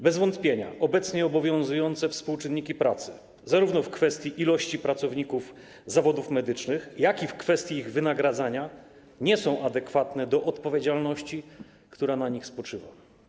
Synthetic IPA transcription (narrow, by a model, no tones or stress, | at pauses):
bɛzvɔnt̪pʲjeɲa̰ʔɔbɛt̪sɲɛɔbɔvʲjɔ̃w̃zujɔnt̪sɛfspuwt͡ʂɘnːikʲipɾat̪sɘ̥ | zaɾuvnɔfkfɛst̪ʲjiʔilɔɕt͡ɕipɾat̪sɔvɲikuf | zavɔd̪ufmɛd̪ɘt͡ʂnɘxjakʲifkfɛst̪ʲjiːɣvɘnaɡɾad̪zaɲa | ɲɛsɔ̃w̃ʔad̪ɛkfat̪nɛd̪ɔʔɔt̪pɔvʲjed͡ʑalnɔɕt͡ɕi | kt̪uɾanaɲixspɔt͡ʂɘva̰